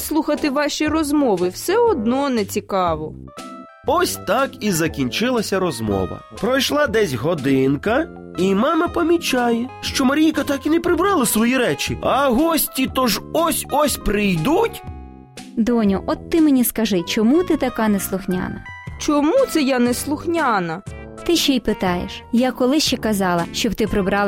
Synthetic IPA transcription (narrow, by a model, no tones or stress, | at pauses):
slˠuxɐt̪ɪʋɑʃʲijrɔzmɔʋɪwsɛɔd̪nɔnɛt͡sʲikɑʋɔ | ɔsʲt̪ɑkizɐkʲinʲt͡ʃɪlˠɐsʲɐɾɔzmɔ̰ʋɐ̰pɾɔjʃlˠɑd̪ɛsʲɦɔd̪ɪnkɐ | imɑmɐpɐmʲit͡ʃɑjɛʃt͡ʃɔmɐɾʲijkɐt̪ɑkinɛpɾɪbɾɑlˠɪsʋɔjiɾɛt͡ʃiɐɦɔsʲtʲit̪ɔʒɔsʲɔsʲpɾɪjd̪utʲ | d̪ɔnʲʊʔɔt̪ːɪmenʲiskɐʒɪt͡ʃɔmut̪ɪt̪ɐkɑneslˠʊxnʲa̰nɐt͡ʃɔmut̪sɛjaneslˠʊxnʲɑnɐ | t̪ɪʃt͡ʃɛipɪt̪ɑjḛʃjakɔlˠɪʃt͡ʃɛkɐzɑlˠɐʃt͡ʃɔbt̪ɪpɾɪbɾɑlˠ